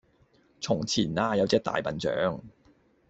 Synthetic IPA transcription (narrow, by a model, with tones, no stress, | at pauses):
t͡sʰʊ˨˩ŋt͡sʰiː˨˩naː˧jɐ˨˧wt͡sɛː˥k̚t̪a̰ː˨jpɐ˨nt͡sœ̰ː˨˥ŋ